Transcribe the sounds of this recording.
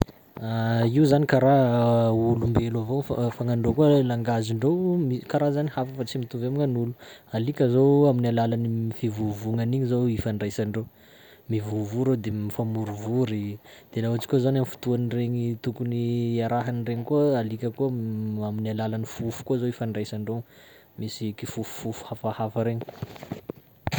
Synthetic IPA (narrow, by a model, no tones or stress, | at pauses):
aiuzanikaɾa | ulumbelavofafaŋaɳɖ͡ʐokuəlaŋɡaziɳɖ͡ʐowmikaɾazanihafəfat͡simit̪uveamiŋanulu̥alikʲəzowaminalalanimifivuvuŋaniɲizowifanɖ͡ʐajsaɳɖ͡ʐo | mivuvuɾed̪emifamuɾuvuɾid̪̥enaat͡ʃi̥kʲozanamifu̥t̪uanireɲit̪ukuniaɾaɦanireɲikualikʲəkuaminalalanifufu̥kuzoifaɳɖ͡ʐajsaɳɖ͡ʐow | misikifufu̥ːufu̥hafahafəɾeɲi̥